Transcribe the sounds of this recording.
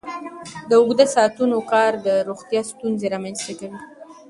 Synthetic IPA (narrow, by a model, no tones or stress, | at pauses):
d̪əʊɣd̪asɑt̪unokɑɾd̪əɾoxt̪jɑst̪unzeɾɑmanzt̪akawi